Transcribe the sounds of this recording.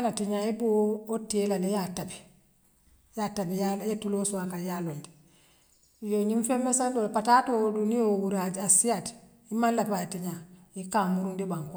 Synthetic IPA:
anatiɲaibootːielanejatabi | jatabijajetulosuakajalondi̥ | joɲiɱfemːesandopatatoduniowuɾad͡ʒasijat | imanlapatiɲa | ikamuɾundibaŋk

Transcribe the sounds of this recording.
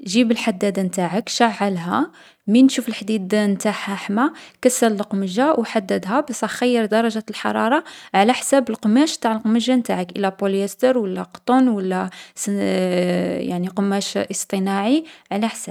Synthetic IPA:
ʒibəlħad̪ːæd̪ant̪aʕəkʃaʕːəlɦæ | minʃufəlħd̪id̪nt̪aħhæħmækæsːəllqməʒawħad̪ːəd̪ɦæbæsæxæjːəɾd̪ɑɾˤɑʒælħɑ̰ɾˤɑɾˤɑʕlæħsæbəlqmæʃt̪aʕlqməʒant̪aʕəkʔəlæpoljæst̪əɾwəlːæ̰qt̪ˤunwəlːæs | ja̰ʕniqəmæʃʔəst̪ˤənɑʕiʕlæħsæb

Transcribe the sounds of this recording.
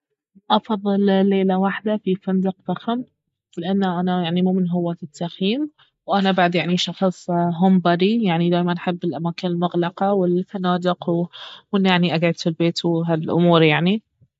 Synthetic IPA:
ʔɑfɑðˤːɨllːeːlawaħd̪afifand̪ɪqfaxam | lɪʔanːaʔanajaʕnimuːmɪnɦʊwːaːt̪ɪt̪ːaxjiːm | wʔanabaʕd̪jaʕniʃɑxsˤɦʊmbɑɾijaʕnid̪aːjmanħɪbːɪlʔamaːkɪnɪlmʊɣlɑqɑwɪlfanaːd̪ɪqwʔɪnːjaʕniʔaɡʕɪd̪filbeːt̪wɦalʔʊ̰muːɾjaʕni

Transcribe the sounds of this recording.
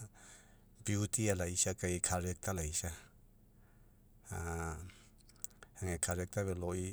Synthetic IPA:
biutʰialajsakajkʰaɾek̚tʰalajsa | aŋekʰaɾek̚tʰaβelɔi

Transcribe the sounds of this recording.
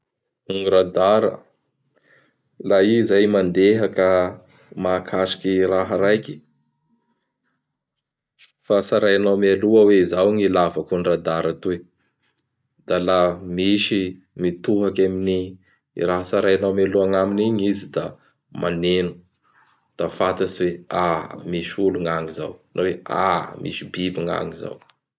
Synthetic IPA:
uŋiɾad̪aɾə̰ | laizajmand̪eɦakə | maːkʰaʃi̥kiraɦəɾajki̥ | fasaɾajanawmaluəweizawŋilavakunirad̪aɾat̪u | d̪̥alamiʃi | mit̪uɦakaminḭ | ɾaɦəsaɾajanawmaluaŋaminiɲizid̪a | mʔanenu̥ | d̪̥afat̪asiweamiʃuluŋaŋiza̰wnʔawea̰mʔḭsibibiŋa̰ŋiza̰w

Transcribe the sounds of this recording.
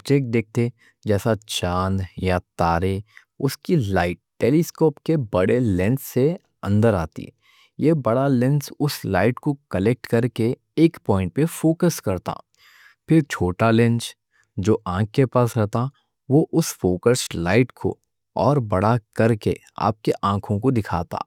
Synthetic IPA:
d͡ʒeːk̚ʈ̚d̪eːk̚t̪e | d͡ʒɛːsat͡ʃaːnjat̪aːɾe | ʊskilaːɪʈ̚ʈːeːliskoːpkebɐɽelɛ̃nsːe | ɐ̰̃nd̪əɾaːt̪ḭ | jebɐɽalɛ̃nsʊslaːɪʈkokəlek̚ʈkɐɾke | eːkpɔːɪ̃ɳʈ̚pefoːkəskɐɾt̪a̰ː | pʰɪɾt͡ʃʰoːʈalɪ̃nt͡ʃ | d͡ʒoːʔãːk̚ːepaːsɾɛɦt̪a | ʋoʔʊsfoːkəslaːɪʈkʰo̰ | ɔːɾbɐɽakɐɾkḛ | a̰ːp̚keʔãːkʰõkod̪ɪkʰa̰ːt̪a̰ː

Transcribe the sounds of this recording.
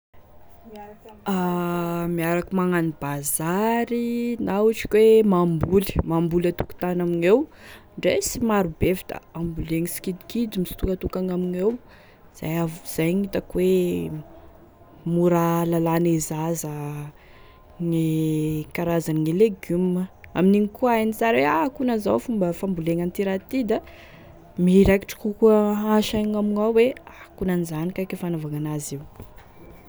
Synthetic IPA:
amiaɾakumaŋanib̥azaɾinauʈ͡ʂi̥kʲwemambuli̥mambulat̪u̥ku̥t̪anaminewɳɖ͡ʐesimaɾubevid̪a̰ambuleŋisi̥kid̪i̥kid͡zimisi̥t̪ukət̪ukaŋaminew | z̥a̰javz̥ajŋit̪akwe | muɾalalanezazə | ŋikaɾazaniŋileɡuməa̰miniŋikuajnit͡saɾweakunazawfumbəfambuleŋant̪iɾat̪id̪a | miɾajki̥ʈ͡ʂi̥kukuəaʃajŋamiŋawweakunanizanikakefanavaŋanaziw

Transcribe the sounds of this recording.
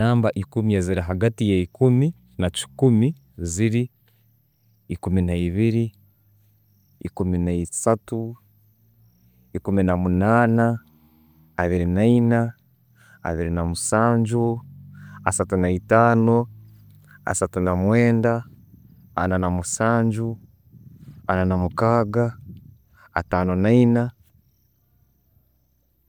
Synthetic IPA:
aːmbaʔikumijeziɾiɦaɡatijeikumi | naci̥kumi | ziɾi | kuminaiβiɾi | kuminaisatu | ikuminamunaːnaː | βiɾinaina̰ː | βiɾinamusaːɲd͡ʒu | a̰satunaitaːno | a̰satunamweːndaː | nanamusaːɲd͡ʒu | ananamukaːɡa̰ː | tanonaina

